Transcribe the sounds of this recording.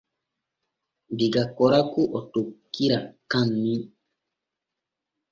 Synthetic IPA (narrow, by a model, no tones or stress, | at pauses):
diɡakɔɾakuʔɔtokːiɾakãnːi